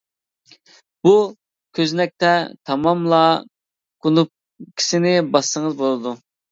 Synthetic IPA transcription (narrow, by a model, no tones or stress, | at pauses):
b̥u | kʲʰøznɛk̚ʲt̪ɛt̪ʰɑmɑmlˠɑ | qʰunup̚ | kʲʰi̥sɪnɪbɑsːəŋəzbolˠɨd̪u